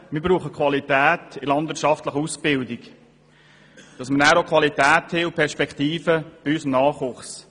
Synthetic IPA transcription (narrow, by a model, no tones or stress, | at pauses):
mɪɾbɾuːχəkʰwɑlitæːtɪlɑnd̥vɪɾʃɑftləχusb̥ɪldɪɡ | d̥ɑsmənæːɾokχʋɑlitæːtheʊpʰɛɾʃpɛkχtiːfəb̥ɪysnɑːχʊχs